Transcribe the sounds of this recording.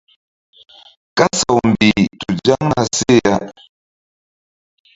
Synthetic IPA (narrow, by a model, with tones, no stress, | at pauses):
ka˦sɔ˨wm̩˨bi˨tu˨d͡ʒa˦ŋna˦se˦˨a˦